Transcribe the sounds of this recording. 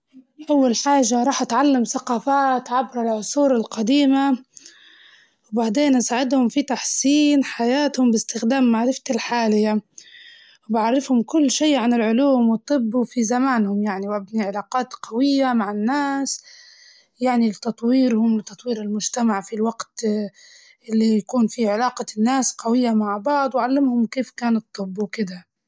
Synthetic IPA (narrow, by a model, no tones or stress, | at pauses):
ʔawːalħaːʒːaɾˤɑːħʔat̪ʕalːamθaqɑːfaːt̪ʕabɾɪlʕʊsˤuːɾɪlqɑd̪iːma | wbaʕd̪eːnʔasaːʕɪd̪hʊmfit̪aħsiːnħajaːt̪hʊmbɪst̪ɪxd̪aːmːaʕɾɪft̪alħaːlɪjːa | wbɪʕaɾˤːɪfhʊmkʊlːʃiːʕanɪlʕʊluːmwɨt̪ˤːɨbːfizamaːnhʊmjaʕniwʔabniʕɪlaːqɑːt̪qawɪjːamaʕɪnːaːs | jaʕnilɪt̪ɑt̪ˤwiːɾhʊmlɪt̪ːɑt̪ˤwiːɾɪlmʊd͡ʒt̪amaʕfilwaɡt̪ | ʔɪlːijakuːnfiʕɪlaːqɑnːaːsqawɪjːamaʕbɑʕd̪ˤwʕalːɪmhʊmkeːfkaːnɨt̪ˤːɨbːuwkɪd̪a